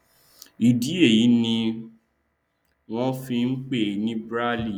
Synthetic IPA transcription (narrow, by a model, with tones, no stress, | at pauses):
i˨di˨˦e˦˨ji˨˦nĩ˧ | w̃ɔ̃˦fĩ˧n̩˦k͡pe˦˨nĩ˦bɾa˦li˦˨